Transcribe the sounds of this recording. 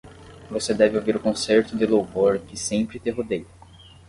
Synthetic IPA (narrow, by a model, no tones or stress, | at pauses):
vosed̪ɛvɪowviɾʊkõseɾt̪ʊd̪ɪlowvoɾkɪsẽpɾɪt̪ẽɦod̪ejʊ